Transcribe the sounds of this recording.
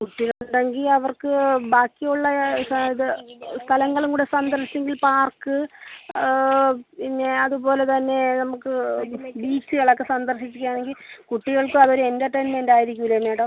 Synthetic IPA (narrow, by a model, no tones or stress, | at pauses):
kuʈːiɣɐɭuɳɖe̞ŋɡilɐʋɐrkɨbaːkːijuɭːɐiðɨst̪ʰɐlɐŋːɐɭuŋkuːɽesɐnd̪ɐrʂi̥t͡ɕːeŋɡilpaːrkɨ | pinːe̞ɐðubo̞ːle̞t̪ɐnːe̞nɐmukːɨbiːt͡ɕːɨɣɐɭɐkːesɐnd̪ɐrʂit͡ɕːikʲːjaːɳe̞ŋɡilkuʈːiɣɐɭkɨɐðo̞ɾuendɐʈːeːnmendaːjiɾikʲːuʋilːɐneːɽɐm